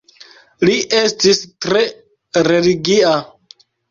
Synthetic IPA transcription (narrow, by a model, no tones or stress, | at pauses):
liʔe̞stistɾe̞ | ɾe̞liɡia